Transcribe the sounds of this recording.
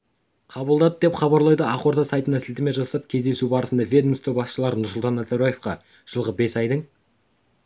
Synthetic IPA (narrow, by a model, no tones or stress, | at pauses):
qʰɑbəlˠd̪ɑd̪əd̪e̞pχɑβɑɾlˠɑjd̪əɑqo̞ɾd̪ɑsɑjt̪ənɑsɪlt̪ɪme̞ʒɑsɑp̚kʲʰe̞zd̪e̞subɑɾəsənd̪ɑvʲe̞d̪mst̪ɵbɑsʃəlˠɑɾnʊɾsʊlˠt̪ɑnːæzaɾojefqɑ | ʒ̥əlˠʁəbe̞sɑjd̪əɴ